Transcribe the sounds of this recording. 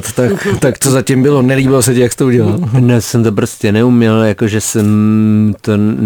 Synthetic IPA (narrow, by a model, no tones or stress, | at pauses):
t̪t̪akt̪akt̪ozacɪmbɪlonɛlibɪlos̬ɛcɪjakst̪ouɟɛlalnosɛmt̪opɾoscɛnɛumɲɛljakoʒɛsɛmt̪on